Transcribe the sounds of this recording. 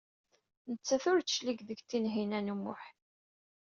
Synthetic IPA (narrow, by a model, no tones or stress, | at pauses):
nət͡sːæθʊɾt͡sə̥ʃliɡðəɡt̪ːinɦinænumːʊ̰ħ